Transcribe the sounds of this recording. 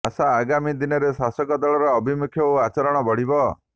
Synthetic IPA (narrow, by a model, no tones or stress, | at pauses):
asaːɡamid̪inɔɾesasɔkɔd̪ɔɭɔɾɔːbʱimukʰjɔuat͡ʃɔɾɔɽ̃ɔbɔɽ̤ibɔ